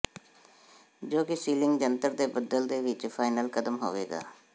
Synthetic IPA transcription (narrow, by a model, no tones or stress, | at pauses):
d͡ʒoːkɪsiːlɪŋɡd͡ʒənt̪əɾd̪eːbəd̪əld̪eːʋɪt͡ʃpʰaːɪnəlkəd̪əmɦo̰ːʋḛːɡa̰ː